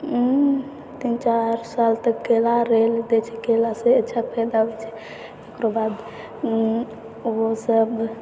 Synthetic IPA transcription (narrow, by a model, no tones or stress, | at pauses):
t̪int͡ʃaɾsalt̪əkɡelaɾeld̪ɛt͡ʃʰɛɡelaseətːʃʰapʰɛd̪abɛt͡ʃʰɛ̥ | ekɾobad̪ | osəb